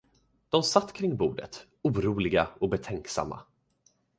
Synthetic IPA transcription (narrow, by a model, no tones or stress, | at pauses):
d̪̥ɔmsat̪ːkʰɾɪŋːbuːɖət̪ | uːɾuːlɪɡaɔbɛt̪ʰɛŋksa̰mːa̰